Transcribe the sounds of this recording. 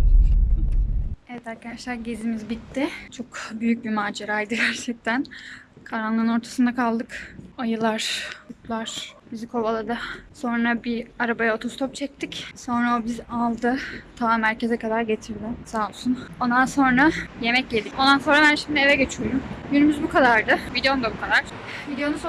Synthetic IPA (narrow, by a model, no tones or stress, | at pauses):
evɛt̪ʰæɾkad̪aʃlʲæɾɟezimizbit̪ʰːɪt͡ʃʰo̞kbyjyc̚bimaːd͡ʒeɾajd̪ɯɟæɾt͡ʃʰɛc̚t̪ʰænkʰaɾanlˠɯnɯno̞ɾt̪ʰḁsɯnd̪akʰalˠd̪ɯkajɯlˠaɾ̥ut̪lˠaɾ̥b̥izikʰo̞balˠad̪aso̞nɾabiaɾabajaot̪ʰost̪ʰo̞p̚t͡ʃʰɛc̚t̪ʰicso̞nɾaobizalˠd̪ɯt̪ʰamæɾce̞zɛkʰad̪aɾɟe̞t̪ʰiɾd̪ɪsalˠsuno̞nd̪anso̞nɾaje̞mɛcje̞d̪ico̞nd̪anso̞nɾabænʃimd̪ɪe̞vɛɟe̞t͡ʃʰijo̞ɾumjynymyzbukʰad̪aɾd̪ɯvid̪eo̞nd̪abukʰad̪aɾ | vid̪ejo̞nus